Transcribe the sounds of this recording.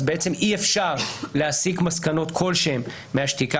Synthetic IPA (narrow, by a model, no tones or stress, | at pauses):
zbeet͡se̞mʔiefʃaʁleasikmaskano̞t̪kʰo̞lʃemː | eaʃtika